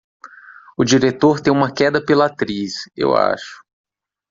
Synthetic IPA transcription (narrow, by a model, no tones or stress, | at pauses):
ʊd͡ʒiɾet̪oɾt̪ẽj̃ũmɐkɛd̪ɐpelɐat̪ɾisḛwa̰ʃʊ̥